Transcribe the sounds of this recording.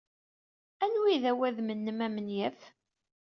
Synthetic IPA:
ænwiðæwæðmənːəmæmənjæf

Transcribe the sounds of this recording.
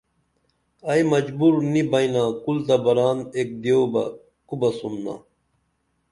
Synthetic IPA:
ɐjmɐd͡ʑbuɾnibɐinaːkult̪ɐbɐɾaːneːk̚d̪eobɐ̰ | kubɐsumna̰

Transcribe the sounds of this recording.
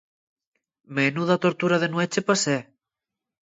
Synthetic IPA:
menuðat̪oɾt̪uɾaðenwet͡ʃepase

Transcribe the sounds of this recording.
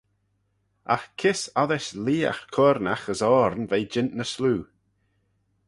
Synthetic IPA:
a̰xkʰɪsaðɪʃliːa̰xkʰɔːɾnaxəzɔːɾnvejd͡ʒɪntnəsluː

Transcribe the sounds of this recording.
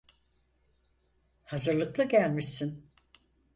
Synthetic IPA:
hazɯɾlˠɯklˠaɟælʲmisin

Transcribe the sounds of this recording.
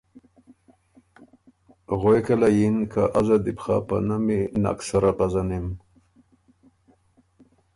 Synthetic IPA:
ɣojkalajinkʰaʔazad̪ipa̰pa̰namina̰ksaɾapazanim

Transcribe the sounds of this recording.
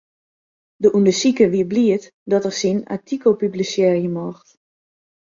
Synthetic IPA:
dəʔundəsikəʋiəbliət | dɔtərsina̰tʰikolpyblisjɛːrjəmɔxt

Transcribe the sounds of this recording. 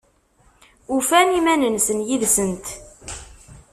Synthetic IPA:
ufænimænənsənjiðsənt̪

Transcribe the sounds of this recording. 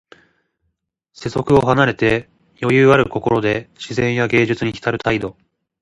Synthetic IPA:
se̞so̞kɯ̟o̞hanaɾe̞t̪e̞ | jo̞jɯ̟ːaɾɯ̟ko̞ko̞ɾo̞d̪e̞ɕizẽ̞ɰ̃jaɡe̞ːʑɨt͡sɨɲ̟içʲi̥t̪aɾɯ̟t̪aid̪o̞

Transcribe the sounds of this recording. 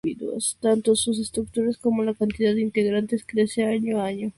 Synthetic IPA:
iðwo̰st̪ant̪osus̬e̞st̪ɾuk̚t̪uɾaskomo̞lakant̪iðaðd̪eint̪eɣɾant̪e̞skɾeseaɲoaaɲo

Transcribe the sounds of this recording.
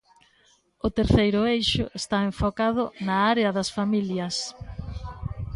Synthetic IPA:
ʊt̪eɾθejɾʊejʃʊ̰ʔest̪aeɱfokaðʊnɐaɾeɐðɐsfamiljɐs

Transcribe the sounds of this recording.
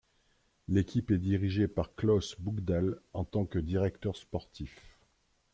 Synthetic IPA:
lekʲipɛd̪iʁiʒepaʁklɔsbuɡd̪ɛlɑ̃t̪ɑ̃kəd̪iʁɛkt̪œʁspɔʁt̪ʰif

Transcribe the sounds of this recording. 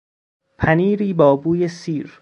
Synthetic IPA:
pʰæniːɾiːbɒːbuːjesiːɾ

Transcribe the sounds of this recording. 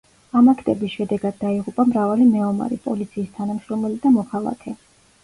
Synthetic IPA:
amakʰt̪ʼɛbisʃɛd̪ɛɡad̪̚ːaiʁupʼamɾavalimɛɔma̰ɾɛpʼɔ̰lit̪sʰiːst̪ʰanamʃɾɔmɛlid̪amɔkʰalˠa̰kʰɛ

